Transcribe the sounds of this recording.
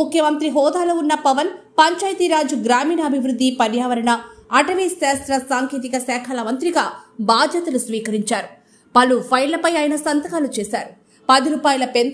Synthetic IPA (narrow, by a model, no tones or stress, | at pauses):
ukʰjɐmɐnt̪ɾiɦɔːd̪aːloːunːɐpɐʋɐnpɐɲt͡ʃaːjt̪iɾaːd͡ʒuɡɾaːmiːnɐːbʱiʋɾud̪ːipɐɾjaːʋɐɾɐɳɐːʈɐʋisaːst̪ɾɐsaːŋkeːt̪̬ikɐsɛːkʰɐlɐmɐnt̪ɾiɡaːbaːd̪ʱjɐt̪ɐlusʋiːkɐɾiɲt͡ʃaːɾu | pɐlupʰɐjllɐpɐjaːjɐnɐsɐnt̪ɐkaːlut͡ʃɛːsaːɾu | pɐd̪iɾuːpaːjɐlɐpen